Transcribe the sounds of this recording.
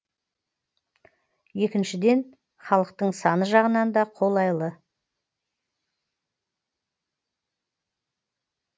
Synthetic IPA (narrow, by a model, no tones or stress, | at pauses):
je̞kʲɪnʃɪd̪e̞n | χɑlˠəqt̪əɴsɑnəʒɑʁənɑnd̪ɑqʰo̞lˠɑjlˠə